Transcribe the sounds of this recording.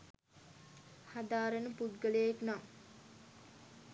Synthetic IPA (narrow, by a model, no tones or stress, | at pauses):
had̪aːɾənəpud̪ɡəlejeknam